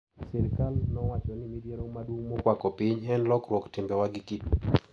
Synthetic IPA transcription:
sɛɾkalnɔwat͡ʃɔnɪmidjeɾoŋmadwoŋmɔkwakɔpɪɲɛnlɔkɾwɔktɪmbɛwaɡɪkɪtu

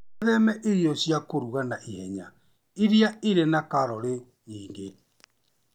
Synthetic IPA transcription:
ðɛmɛʔeɾjɔsjakoɾuɣanaʔihɛɲa̰ | eɾiaeɾenakaɾɔɾe | jiːŋɡe

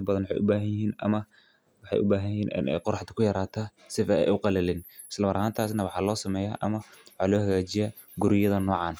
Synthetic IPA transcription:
bɐðɐnwɑħɑ̰jʔʊbaːɦɐnjɪɦiːnɐ̰mɐ | wɑħɑ̰jʔʊbaːɦɐnjɪhiːnʔɪ̰nʔɛ̰jqɔrɾɑħt̪ʰɐ̥kʰʊjɐɾaːt̪ʰɐ | sɪfɐɛ̰jʔʊqɑlɛlɪn | ʔɪslɐmɐɾʔɐhaːnt̪ʰaːs̬nɐwɑħɑːlɔːsɐmɛːja̰ːʔɐmɐwɑħɑːlɔːhɐɣaːt͡ʃɪjaː | ɡʊɾɪjɐðɐnɔːʕɑːn

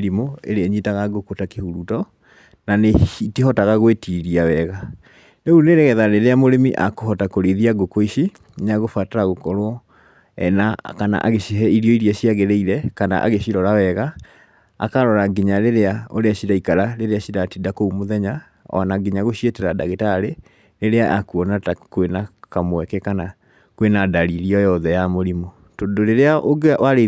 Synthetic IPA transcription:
ɾimoḛɾeɛɲitaɣaɡokotakehuɾutɔ | naneitiɦɔtaɣaɣwetiɾiawɛːɣa | neuneɾeɣɛðaɾeɾeamoɾemiʔa̰koɦɔtakoɾeðiaɡokoiɕi | naɣofwataɾaɣokɔɾoɔ | ɛ̰nakana̰ʔa̰ɣeɕiɦɛiɾiɔiɾiaɕiaɣeɾɛiɾɛkana̰ʔa̰ɣeɕiɾɔɾawɛɣa̰ː | kaɾɔɾaɡeɲaɾeɾeao̰ɾeaɕiɾaikaɾaɾeɾeaɕiɾatidakoumoðɛɲa | ɔ̰naɡeɲaɣoɕietɛɾadaɣetaːɾe | ɾeɾeaʔakuɔnatakwenakamwɛkɛkana | kwenadaɾiɾiɔjɔðɛjamoɾimɔ | toːdoɾeɾeaʔoɡwaɾe

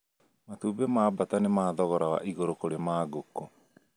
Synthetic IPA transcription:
matuːbemaːbatanemaːðɔɣɔɾawa̰ʔiɣoɾokoɾemaːɡoko

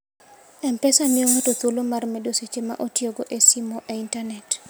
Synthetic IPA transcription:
ɛmpɛsamioŋotot̪olomarmɛdoset͡ʃema̰ʔotioɡoʔesimɔʔeintanɛt

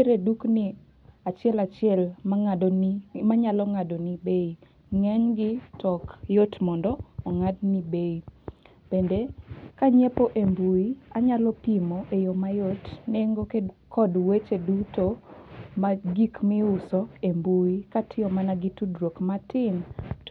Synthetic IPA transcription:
eɾeduknɪ | at͡ʃɪɛlat͡ʃɪɛlma | maɲalɔŋadonibei | ŋɛɲɡɪtɔkjotmɔndɔɔŋadnibei | b̥endekaɲepoʔembuiaɲalɔpimoʔejomajotneŋɡokekʰɔdwet͡ʃedutomaɡikmɪʊsɔembuikatʰɪɔmanaɡɪtudɾokmatɪn

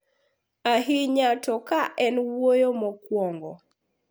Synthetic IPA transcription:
aɦiɲatɔkaʔɛnwojomɔkwɔŋɡɔ̰

